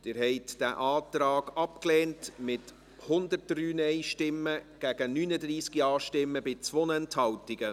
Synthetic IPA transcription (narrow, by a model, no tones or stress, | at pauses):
d̪̥ɪːɾhɛɪtd̥æ̰ʔɑːt̪ɾɑːɡ̥ɑpklɛːntmɪt | hʊndət̚d̥ryːnɛɪʃtɪmːəɡ̥æɡənyːnədɾiːskiɑːʃtɪmːəbɪt͡sʋonɛnthɑwtɪɡ̥ə